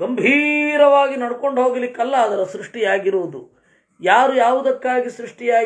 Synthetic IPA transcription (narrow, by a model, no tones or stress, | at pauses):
ɡɐmbʱiɾɐʋaːɡinɐɽko̞ɳɖɦo̞ːɡilikːɐlːɐːd̪ɐɾɐsɾuʂʈijaːɡiɾuːd̪u | jaːɾujaːʋud̪ɐkːaːɡisɾuʂʈijaː